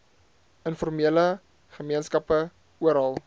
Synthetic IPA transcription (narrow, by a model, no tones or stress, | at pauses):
ənfɔrmiələ | χəmiənskɐpə | uəɾɦɐlˠ